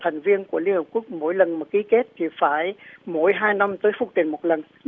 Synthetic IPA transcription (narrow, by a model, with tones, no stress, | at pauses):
t̪ʰɛ˨˩jŋ̟vi˧ənku˧˩əli˧ənhə˨˩p̚ku˦˥ək̚mo̰˧˥jlə˨˩nmaː˨˩ki˨˦ke˦˥t̚t̪ʰi˨˩faː˧˩jmo˧˩jɦaː˧jna˧mt̪əː˨˦jfʊ˧˩˥k̚t͡ɕ̪ḭ˨˩nmo˨˩t̚lə˨˩n